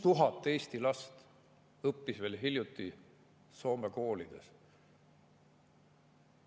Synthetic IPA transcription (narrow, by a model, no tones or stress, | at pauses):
t̪uɦɑt̪ːˑe̞ːst̪ilɑst̪ | ɤpːisve̞ːlɦiljut̪ːˑi | so̞ːmeko̞ːlid̪̥e̞̰s